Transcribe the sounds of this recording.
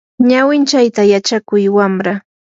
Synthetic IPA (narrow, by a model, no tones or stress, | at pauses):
ɲawɪnt͡ʃajt̪ajat͡ʃakʊjwamɾa